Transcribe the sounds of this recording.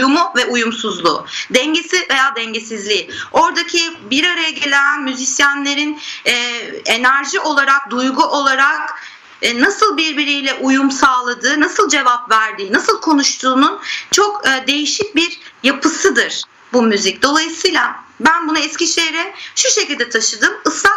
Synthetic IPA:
umuvɛujumsuzlˠṵːd̪ɛɲɟesive̞jaːd̪ɛɲɟesizlʲiːo̞ɾd̪acʰibiɾaɾajaɟe̞lʲænmyzisjanlʲe̞ɾinɛːe̞næɾʒiʔo̞lˠaɾak̚d̪ujɡuʔo̞lˠaɾakː | nasɯlˠbiɾbiɾijlʲɛʔujumsaːlˠad̪ɯːnasɯlˠd͡ʒe̞vapvæɾd̪iːnasɯlˠkʰo̞nuʃt̪ʰuːnunt͡ʃʰo̞kːd̪e̞jiʃic̚biɾjapʰɯsɯd̪ɯɾ̥ | bumyzic̚d̪o̞lˠajɯsɯjlʲˠabænbunaɛscʲiʃejɾɛʃuʃecilʲd̪ɛt̪ʰaʃɯd̪ɯmɯsa

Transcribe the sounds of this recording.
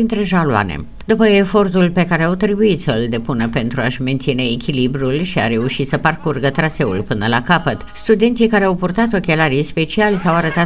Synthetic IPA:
int̪ɾe̞ʒalua̰nḛ | d̪upəefo̞rt̪ulpe̞kaɾe̞awt̪ɾebuit̪səɨld̪e̞punəpe̞nt̪ɾuaʃme̞nt̪sine̞ːkʲilibɾulʃia̰ɾe̞uʃit̪səparkurɡət̪ɾase̞ulpɨnəlakapət̪st̪ud̪e̞nt̪sikaɾeawpurt̪at̪o̞kʲe̞laɾijspe̞t͡ʃialesawaɾət̪a

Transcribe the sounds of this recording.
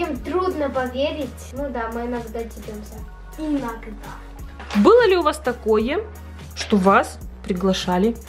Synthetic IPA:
imt̪ɾud̪nəpɐvʲeɾʲɪtʲnud̪amɨɪnɐɡd̪atʲɪpʲomsʲə | ɪnɐɡd̪a | bɨlˠəlʲɪʊvast̪ɐkojə | ʂt̪ovaspɾʲɪɡlˠɐʂalʲɪ

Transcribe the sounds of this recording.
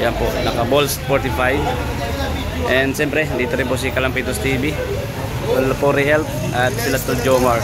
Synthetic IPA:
jaŋpoʔnɐkabolspɔɾt̪ifaj | ʔɛnsɛmpɾɛd̪it̪aɾipos̬ikalaŋpit̪ust̪ibi | t̪ulpoɾiɦɛlp̚ | at̪̚silat̪uld͡ʒomaɹ

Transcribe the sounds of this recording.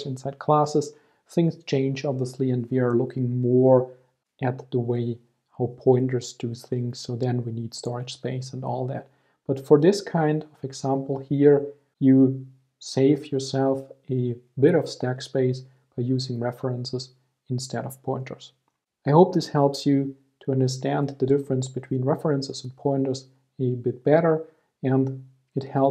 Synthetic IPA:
sɪ̃nsaɪd̥̚kʰl̥æsɨz̥ | θɪ̃ŋz̥t͡ʃʰẽɪ̃nd͡ʒɑbviəstˡliɨ̃ndwiə˞lʊkʰɪ̃ŋmɔɹ | ʔɨt̪̚ðəweɪ | haʊpʰɔ̃ɪ̃ntə˞z̥dɨθɪ̃ŋssoʊðɨ̃nwinid̥stɔɹɨd̥ʒ̥speɪsə̃ndɔ̰lˠðæ̰t̚ | b̥ʌtfə˞ðɪskʰãɪ̃ndʌvɨɡz̥æ̃mpl̩ˠhiɹ | jɨ | seɪvjɔ˞sɛlˠfɨbɪɾʌv̥stækspeɪs | b̥aɪjʉzɪ̃ŋɹɛfə˞ə̃nsɨz | ɨ̃nstʰɛɾʌv̥pʰɔ̃ɪ̃ntʰə̰˞z | aɪhoʊp̚ðɪshɛlˠpsjɨ | tʰuʌ̃ndə˞stæ̃nðɨdɪfəɹə̃nsb̥ɨtʰw̥ĩːnɹɛfə˞ə̃nsɨzə̃npʰɔ̃ɪ̃ntə˞z | ɨbɪt̚b̥ɛɾə˞ | ɨ̃nd | ɨt̚hɛlˠ

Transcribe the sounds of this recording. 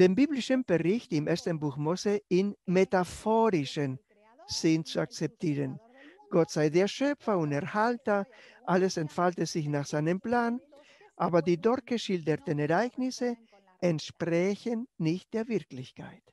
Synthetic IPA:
d̥eːmbiːblɪʃənb̥eʁɪçtɪmeɐstənbuːxmoseɪnmetafoːɾɪʃən | z̥ɪnt͡suak̚t͡sɛp̚tʰiːʁən | ɡ̥ɔtz̥aɪzeːɐʃœfɐʊntɛɐhaltɐʔaləsɛntfaltəz̥ɪçnaːxz̥aɪnəmplaːn | ʔaːbɐdiːdɔʁtɡ̥əʃɪldətənɛʁaɪɡnɪsə | ɛntʃpʁɛçənːɪçt̚d̥eːɐvɪʁklɪçkʰa̰ɪt

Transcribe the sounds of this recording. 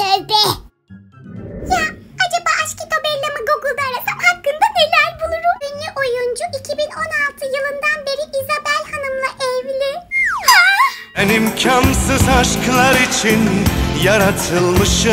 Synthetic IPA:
ød̪ɛ | jaad͡ʒabaʔaʃkit̪ʰo̞bɛɾlʲamaɡoɡlˠb̪aɾasamhakːɯnd̪abiɾlʲæɾbulˠuɾuʔynlʲyʔo̞jund͡ʒuʔicʰibino̞nalˠt̪ʰɯjɯlˠɯmd̪anbe̞ɾiʔizabælʲhanɯmlˠaʔɛvlʲɪ | enimcʰamsɯzaʃkɯlˠaɾit͡ʃʰinjaɾat̪ʰɯlˠmɯʃ

